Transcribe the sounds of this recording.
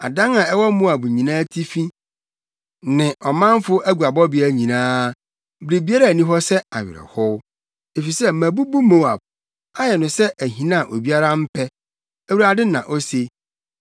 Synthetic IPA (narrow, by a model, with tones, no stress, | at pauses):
a̰˨dã˦ŋã˨ɛ˦wɔ˦mʊ̃˦a˨bu˨ɲĩ˨nãː˦tʰi˦fĩ˦ | nɪ̃˨ʔɔ˨mã˦m˦fʊ˦ʔæ˦ɡu˨a˨bɔ˦bɪ˨˦æ˦ɲĩ˨nãː˦ | bɾe˨bi˦a˦ɾa˦˨nĩ˦ɦɔ˦sɛ˦a˨ɥɪ̰˨ɾɛ̰˨hɔ˦w | e˨fi˨sɛ˦˨mæ̃˨bu˦bu˦mõ˦˨a̰˨b̚ | a˦jɛ˨nʊ̃˨sɛ˦ʔæ˨ɦĩ˨nã˦˨ʔo˨bi˦a˦ɾa˦m̩˦pʰɛ˦ | æ˦wu˨ɾa˨dɪ˦nã˨ʔɔ˦se˦